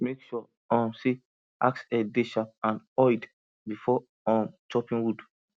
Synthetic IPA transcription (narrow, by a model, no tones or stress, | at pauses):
mekʃɔ | ɔ̃mse | a̰ksɛdeʃap̚ãn | ɔjd | bifɔ | ɔ̃mt͡ʃɔpĩnwud